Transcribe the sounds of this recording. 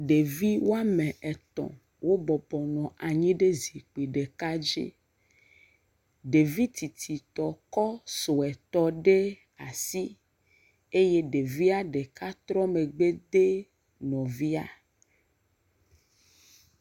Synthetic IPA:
ɖe˨vi˦wo˦a˦mẽ˨ʔɛ˨t̪ɔ̰̃˨ | wo˦bɔ˨bɔ˨nɔ̃˨ʔa˨ɲĩ˦ɖe˦zi˨k͡pi˨ɖe˨ka˦d͡ʒḛ˦ | ɖe˨vi˦t̪ʰi˨t̪ʰi˨t̪ɔ˨kɔ˦so˨ɛ˨t̪ɔ˨ɖe˦ | a˨si˦ | e˦je˦ɖe˨vi˦a˦ɖe˨ka˦t̪ɾɔ˦me˨ɡ͡be˦d̪e˦ | nɔ̃˨vi˦a̰˨

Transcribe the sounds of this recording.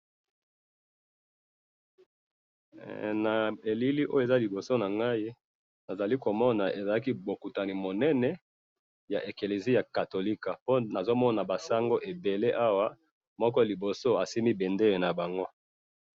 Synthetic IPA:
na˨e˨li˦li˦ʔo˦o˦e˨za˦li˨bo˨so˦na˨ŋɡa˦i˦ | na˨za˨li˦ko˨mɔ˦na˨e˨za˨la˦ki˦bo˨ku˨ta˨ni˨mo˨nɛ˦nɛ˦ | ja˨ʔe˨ke˨le˨zi˦ja˨ka˨to˨li˦ka˨po˦na˨zo˦mɔ˦na˨ba˨sa˦ŋɡo˦ʔe˨be˨le˦ʔa˦wa˦ | mɔ˦kɔ˦˨li˨bo˨so˦a˨si˦mi˦bɛ˨nde˦e˨na˨ba˨ŋɡo˦

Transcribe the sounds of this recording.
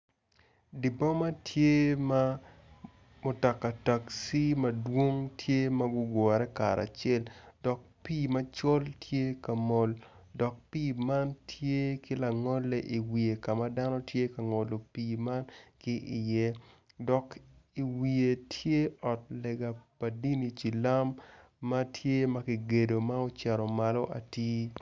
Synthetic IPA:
di˨bɔ˦ma˦tʰje˦ma˦ | mo˨tɔ˨kːa˨ta˨ksi˦mɐ˦dwo˦ŋtʰje˦ma˦ɡʊ˦ɡwɔ˨ɾɛ˦ka˨ɾa̰˨t͡ʃɛ˦ldɔ˨k̚pi˦˨mɐ˦t͡ʃɔ˦ltʰje˦ka˨mɔ˨ldɔ˨k̚piː˦˨ma˦ntʰje˦kɪ˦la˨ŋɔ˦lːɛ˦ʔi˨wi˨e˨ka˨ma˦da˦nɔ˦tje˦ka˨ŋo˨lo˨piː˨ma˦nkɪ˦ʔɪ˨jɛ˦ | dɔ˨ki˨wi˨e˨tʰje˦ɔ˨t̚lɛ˨ɡa˨pa˨di˦ni˨t͡ʃi˨la˦mː | a˦tʰje˦ma˦kɪ˨ɡe˨do˨ma˦o˦t͡ʃɛ˨ɾɔ˨ma˦lo˦ʔa̰˨tiː˦

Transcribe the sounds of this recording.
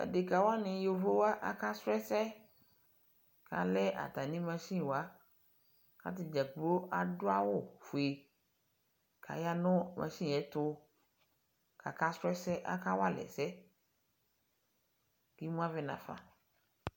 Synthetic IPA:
a̰˨de˨ka˨wa˦nɪ̃˨jo˨vo˦wa˦ʔa̰˦ka˦sɾɛ˦sɛ˦ | ka̰˨lɛ˦ʔa̰˨t̪a˨nĩ˦mã˦sĩ˦˨wa˦ | ka̰˦t̪ɪ˨d͡ʒa˨k͡plo˦a˨dʊ˦a˦wʊ˦˨fo˨e˨ | kʰa̰˨ja˦nʊ̃˦mʔã̰˨sĩ˦˨ɛ˦t̪ʊ˦ | kʰa˨ka˦sɾɛ˦sɛ˦ʔa̰˦ka˦wo˦a˦lɛ̰˨sɛ˦ | ki˦mũ˦a˦vɛ˦nã̰˨fã̰˨

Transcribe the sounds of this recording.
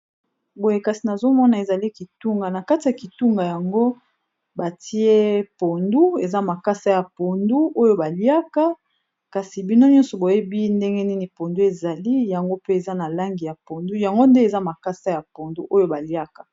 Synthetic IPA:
bo˨je˨ka˨si˨na˨zo˦mɔ˦na˨e˨za˨li˦ki˨tu˦ŋɡa˨na˨ka˦ti˨ja˨ki˨tu˦ŋɡa˨ja˨ŋɡo˦ | ba˨ti˦e˦po˨ndu˦e˨za˦ma˨ka˦sa˦ja˨po˨ndu˦ʔo˦jo˦ba˨li˦a˦ka˦ | ka˨si˨bi˦no˦ɲɔ̃˦nsɔ˨bo˨je˦bi˦nde˦ŋɡɛ˦ni˦ni˨po˨ndu˦e˨za˨li˦ja˨ŋɡo˦pe˦e˨za˦na˨la˦ŋɡi˨ja˨po˨ndu˦ja˨ŋɡo˦nde˦e˨za˦ma˨ka˦sa˦ja˨po˨ndu˦ʔo˦jo˦ba˨li˦a˦kḁ˨

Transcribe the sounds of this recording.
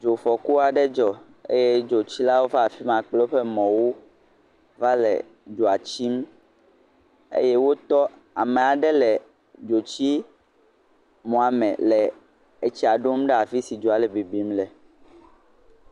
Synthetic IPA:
d͡ʒo˨fɔ˨ku˦a˨ɖɛ˦d͡ʒɔ˨ | ḛ˦jɛ˦d͡ʒo˨t͡ɕi˦la˦wo˦va˦a˨fi˦mã˨k͡plo˦ɸɛ˦mɔ̃˨wo˦ | va˦lɛ̰˨ | d͡ʒo˨a˨t͡ɕi˦m | ḛ˦jɛ˦wo˦t̪ɔ˦ | a˨mɛ˨a˨ɖɛ˦lɛ˨ | d͡ʒo˨t͡ɕi˦ | mɔ̃˨a˨mɛ̰̃˨lɛ˨ | e˦t͡ɕi˦a˨ɖo˦m˦ɖɛ˦a˨fi˦si˨d͡ʒo˨a˨lɛ˨be˨bi˨˦mlɛ˨

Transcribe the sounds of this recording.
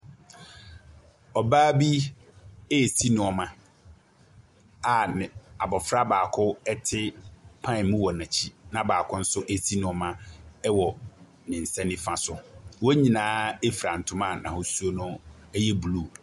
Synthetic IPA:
ɔ˨baː˦bi˦ | e˦˨si˦nʊ̃˨ɔ˨mã˦ | a˨nɪ̃˨a˨bɔ˨fɾa˦baː˨kʰʊ˦ɛ˦tʰɪ˦pʰã˦˨mũ˦wɔ˨nã˨t͡ɕʰi˦nã˨baː˨kʰʊ˦n̩˦sʊ˦ʔe˨si˦nʊ̃˦˨ɔ˦mã˦ɛ˦wɔ˨ | nɪ̃˨n̩˨sɛ̃˦nɪ̃˦fã˨sʊ˨wɔ˦ɲĩ˨nãː˦e˦fi˨ɾa˨n̩˨tʰʊ̃˦mã˦˨nã˨hɔ˨su˦o˦nʊ̃˦ | ɛ˦jɛ˦bu˨lu˦˨

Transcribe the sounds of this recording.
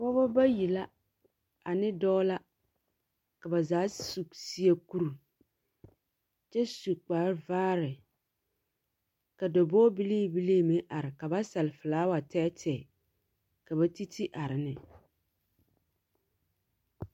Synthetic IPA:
bɔ˦bɔ˦ba˦ji˨la˦ | a˨nɪ˦dɔː˦la˦ | ka˨ba˨zaː˨˦su˨ksi˦e˦ku˦ɾu˨ | t͡ʃɛ˦su˨k͡paː˨˦vaː˦ɾɪ˨ | ka˨dɔ˨bɔː˦bi˦liː˦˨bi˦liː˦mɪ˦ʔa˨ɾɪ˨ka˨ba˦sa˨lɪ˨fɪ˨laː˨˦wa˨tɛː˦tʰɛː˨ | ka˨ba˦ti˦tʰi˦ʔa˨ɾɪ˨nɪ˨

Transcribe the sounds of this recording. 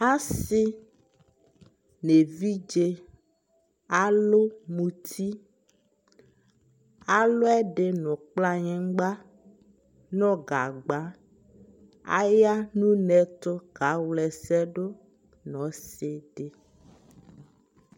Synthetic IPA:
a˦si˦ | ne˨vi˦d͡ʒe˦ | a˨lo˦mũ˨t̪ʰi˦ | a˨lo˦ɛ˦ɖe˨nɔ̃˨k͡pla˦ɲɛ̃˦ŋ˦ɡ͡ba˦ | nɔ̃˦ɡa˨ɡ͡ba˨˦ | a̰˦ja˦nũ˦nɛ˨t̪o˦ɡa˨˦wlɛ˨sɛ˦ɖo˦ | nɔ̃˨˦se˦ɖe˨

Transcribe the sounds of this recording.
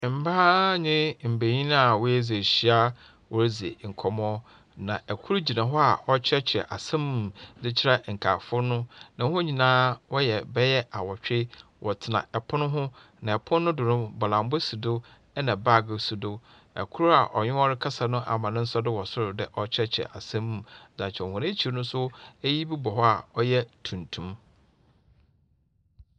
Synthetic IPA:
m̩˨baː˦ɲɪ̃˦m̩˨be˨ɲĩ˦n˦a˨wʊ˦e˦ze˨ɕi˦a˦ | wɔ˨ɾzḛ˨ŋ̩˨kʰɔ˨m˦ɔ˦ | nã˨ɛ˨kʰu˦ɾu˦d͡ʑi˨nã˨ɦɔ˦a˨ɔ˦t͡ɕʰɛ˦t͡ɕʰɪ˨ɛ̰˨ʔa̰˨sã˦m˨dɪ˦t͡ɕʰɪ˦ɾa˦ŋ̩˨kʰa̰ː˨fʊ˦nʊ̃˦nã˨˦hʊ̃˦ɲĩ˨nãː˦wɔ˦jɛ˨bɛ˦jɛ˦a˨wɔ˨t͡ɕᶣe˦wʔɔ˨tʰɪ˨nã̰˨ɛ˨pʰʊ˦nʊ̃˦ɦʊ̃˦ | nã˨ɛ˨pʰʊ̃˦nː˦ʊ̃˦dʊ˨nʊ̃˦bɔ˨lã˨mbʊ˦si˨dʊ˦ | ɛ˦nã˨ba˦˨ɡɪ˨su˨dʊ˦ | ɛ̰˨kʰʊ˦ɾʊ˦a˨ʔɔ˨ɲᶣɪ̃˦ɔ˦ɾɪ˦kʰa˦sa˨nʊ̃˦ʔa̰˨mã˨nʊ̃˦n̩˦sɔ˦dɪ˦wɔ˨sʊ˦ɾʊ˨dɪ˨ʔɔ˦t͡ɕʰɛ˦t͡ɕʰɛ̰˨ʔa̰˨sã˦m̃˨m˨d͡zã˨t͡ɕʰɛ˨hʊ̃˨nẽ˦t͡ɕʰi˨ɾnʊ̃˦sʊ˦e˦ji˦bi˦bɔ˨ɦɔ˦a˨ɔ˦jɛ˦tʰũ˨ntʰũ˦m

